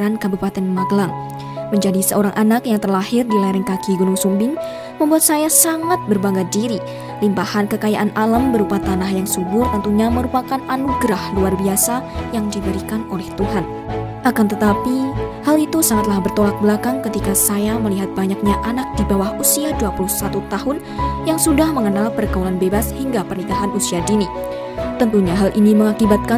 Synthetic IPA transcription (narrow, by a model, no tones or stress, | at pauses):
ɾankabupat̪ɛnmaɡəlaŋ | məɲd͡ʒadisəoɾaŋʔanakjaŋt̪ərlahɪrdilaɾiŋkakiɡunuŋsumbɪŋ | məmbuat̪̚sajasaŋat̪̚bərbaŋɡadiɾi | limpahankəkajaʔanʔalambəɾupat̪anahjaŋsubʊrt̪ənt̪uɲaməɾupakananuɡɾahluarbiasajaŋdibəɾikanolɛht̪uɦan | ʔakant̪ət̪apihalit̪usaŋat̪lahbərt̪olak̚bəlakaŋkət̪ikasajaməliɦat̪̚baɲak̚ɲaʔanak̚d̥ibawahusiaduapuluhsat̪ut̪aɦʊn | jaŋsudahməŋənalpərkaulanbebashiŋɡapərnikaɦanusiadini | t̪ənt̪uɲaɦalʔiniməŋakibat̪̚ka